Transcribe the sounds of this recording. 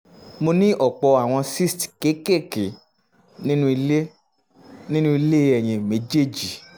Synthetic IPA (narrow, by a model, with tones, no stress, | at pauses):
mo˧nĩ˦ʔɔ˦˨k͡pɔ˧a˨w̃ɔ̃˧si˦stke˨˦ke˦˨ke˨ | nĩ˦nũ˦i˧le˦ | nĩ˦nũ˦i˧le˦ɛ˨j̃ĩ˧˨me˨˦d͡ʒe˦˨d͡ʒi˨